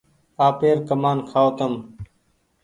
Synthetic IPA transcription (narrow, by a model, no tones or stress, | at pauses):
aːpeːɾkəmaːnkʰaːoːt̪əm